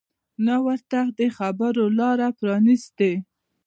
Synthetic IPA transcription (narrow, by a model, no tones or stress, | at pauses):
nawəɾt̪ad̪əxabaɾolɑɾapɾɑnist̪e